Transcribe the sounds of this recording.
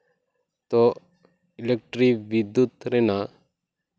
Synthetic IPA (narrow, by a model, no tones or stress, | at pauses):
t̪o | ilek̚ʈɾiʋid̪jut̪ɾena